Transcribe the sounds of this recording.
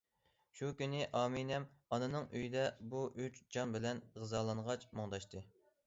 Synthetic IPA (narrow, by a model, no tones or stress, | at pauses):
ʃukʲynɪʔɑːminɛmɑnɨnɨŋøjid̪ɛbuʔyt͡ʃd͡ʒɑmbɪlɛnʁɨzɑːlˠɑnʁɑt͡ʃmoŋd̪ɑʃt̪ɨ